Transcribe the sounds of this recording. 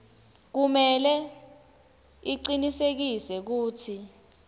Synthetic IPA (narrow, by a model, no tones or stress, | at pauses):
k̬umɛlɛ | iǀinisek̬isɛk̬uːtʰi